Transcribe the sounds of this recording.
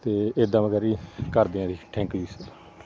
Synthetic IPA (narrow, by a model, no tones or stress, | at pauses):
t̪eːed̪ãːməɡəɾikəɾd̪eãːd̪iːʈʰɛ̃ːŋkliːsə